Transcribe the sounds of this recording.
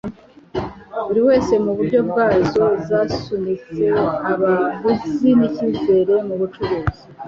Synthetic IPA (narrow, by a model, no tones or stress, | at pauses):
βuɾiwe̞ːse̞muβuɾɟo̞bɡaːzo̞zasunit͡se̞aβaβusiniciːze̞ɾe̞muβut͡ʃuɾuːzi